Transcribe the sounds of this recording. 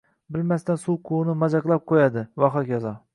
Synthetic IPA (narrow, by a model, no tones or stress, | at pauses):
bɪlmast̪ansulˠqʰʊnɪmɑd͡ʒɑqlˠap̚qʰojad̪ɪvɒχɑkʲɑzɑ